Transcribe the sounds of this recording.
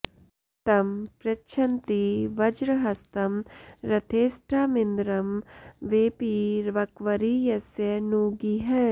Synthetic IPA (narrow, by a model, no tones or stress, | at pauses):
t̪ɐmpɾɐʃʰɐnt̪iʋɐd͡ʒɾɐɦɐst̪ɐmɾɐt̪ʰeːsʈʰaːmɪnd̪ɾɐmʋeːpiɾʋɐkʋɐɾijɐsjɐnuːɡiɦɛ